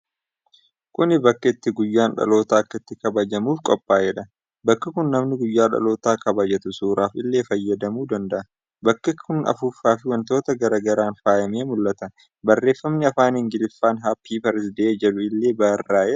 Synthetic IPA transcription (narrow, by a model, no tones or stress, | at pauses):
kʊnɪbɐkːɐɪt̪ːɪɡʊjːaːnᶑɐ̰lo̞ːt̪aːɐkːɐɪt̪ːɪkɐbɐd͡ʒɐmuːfkʼɔpʼːaːjɛᶑɐ | bɐkːɐkʊnːɐmnɪɡʊjːaːᶑɐ̰lo̞ːt̪aːkɐbɐd͡ʒɐt̪ʊsuːɾaːfɪlːeːfɐjːɐd̪ɐmuːd̪ɐnd̪ɐʔɐ | bɐkːɐkʰʊnʔɐ̰fuːfːaːfɪwɐnt̪o̞ːt̪ɐɡɐɾɐɡɐɾaːnfaːjɐmeːmʊlːɐt̪ɐ | bɐrːeːfːɐmnɪɐfaːnɪŋɡɪlɪfːaːnɦaːpʰːiːpɛɾɪsd̪ed͡ʒɛᶑʊɪlːe̞ːbɐrːaːʔɛ